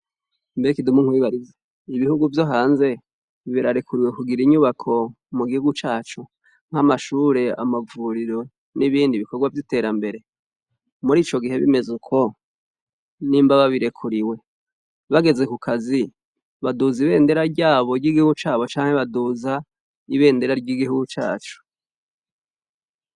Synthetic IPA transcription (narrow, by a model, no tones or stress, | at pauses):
mbeekidumuŋwiβaɾize | iβihuɡuvjo̞ɦaːnze̞ | βiɾaɾekʰuɾiwe̞kuɡiɾiɲuβakʰo̞ | muɡihuɡut͡ʃaːt͡ʃu | ŋ̥hamaʃuːɾe̞a̰mavuɾiɾo̞ | niβiːndiβiko̞ɡwavjite̞ːɾambe̞ɾe̞ | muɾiːt͡ʃo̞ɡihe̞βḭme̞zekʰo̞ | nimbaβaβiɾe̞kʰuɾiwe̞ | βaɡe̞ze̞kukʰazi | βaduziβe̞ːnde̞ɾaɾɟaːβo̞ɾɟiːɡihuɡut͡ʃaːβo̞t͡ʃaːŋ̥heβaduza | iβe̞ːnde̞ɾaɾɟiɡihuɡut͡ʃa̰ːt͡ʃu̥